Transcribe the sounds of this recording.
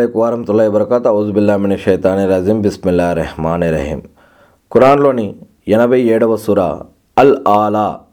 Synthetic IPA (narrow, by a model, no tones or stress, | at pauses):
eːkuʋaːɾɐɦmɐt̪ulːaːɦibɐɾɐkaːt̪ɐuzbilːaːminɐʃɐjt̪aːniɾaːzimbismilːaːiɾːɐhmaːneɾɐ̰ɦḭːm | kuɾaːnloːni | jɐnɐbɐieːɽɐʋɐsuːɾa̰ | ɐlaːlaː